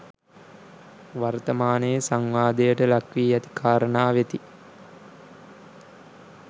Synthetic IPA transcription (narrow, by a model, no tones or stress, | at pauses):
ʋaɾt̪əmaːnejəsaŋʋaːd̪ejəʈəlakʋiːat̪i̥kʰaːɾəɳaːʋet̪i